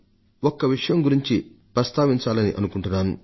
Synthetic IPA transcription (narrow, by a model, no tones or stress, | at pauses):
ɔkːɐʋiʂɐjɐmɡuɾiɲt͡ʃi | pɾɐst̪ʰaːʋiɲt͡ʃaːlɐniʔɐnukuɳʈunːaːn